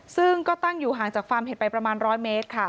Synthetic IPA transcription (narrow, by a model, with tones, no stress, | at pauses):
sɯ˥˩ŋkɔː˥˩t̪a˥˩ŋjuː˨˩ɦaː˨˩˦ŋt͡ɕaː˨˩k̚faː˧mhɦe˨˩˦pa˧jpɾa˧maː˧nɾɔː˦˥jmeː˦˥t̪̚kʰa˥˩